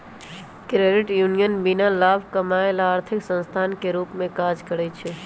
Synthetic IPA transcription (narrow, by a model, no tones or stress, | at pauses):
kɾeɖɪʈjunijənbinalabʱkəmaelaːɾt̪ʰɪksə̃nst̪ʰankeɾuːpmẽkad͡ʒkəɾɛt͡ʃʰɛ